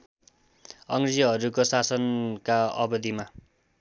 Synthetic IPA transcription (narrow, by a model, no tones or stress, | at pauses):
ʌŋɡrid͡zʌɦʌɾukosasʌnkaʌ̰bʌd̪ima